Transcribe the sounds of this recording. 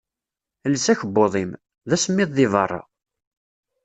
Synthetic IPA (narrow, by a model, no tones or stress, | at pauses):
lːəsæçəbːoðˤim | ðæsəmːɪðˤːivɑ̰rˤːɑ̰